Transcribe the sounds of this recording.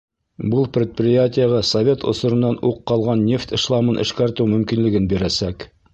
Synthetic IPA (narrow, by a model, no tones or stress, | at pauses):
bɤlˠprʲɪt̪̚prʲɪjatʲɪjəʁɑsɐvʲe̞t̪ŏ̰sŏɾɤ̆nːɑnuqːɑlˠʁɑnːʲe̞ft̪ɤ̆ʃlˠɑmɤnʔɘ̰̆ʃkæɾt̪ɘwmɵ̆mkinlɘ̆ɡɘnbiɾæsæk